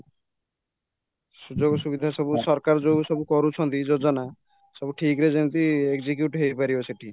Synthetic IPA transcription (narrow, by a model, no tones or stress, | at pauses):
sud͡ʒoɡɔsubid̪ʱasɔbusɔɾkaɾd͡ʒosɔbukɔɾut͡ʃʰɔnt̪id͡ʒod͡ʒɔna | sɔbuʈʰikɾed͡ʒennt̪iekzik̬juʈɦejpaɾibɔseʈʰi